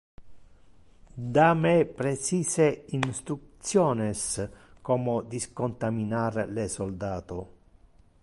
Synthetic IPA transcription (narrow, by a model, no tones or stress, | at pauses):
d̪amɛpɾet͡ʃiːseinst̪ɾut̪sjɔːnɛs | kɔːmod̪iskont̪aminaɾlesold̪aːt̪o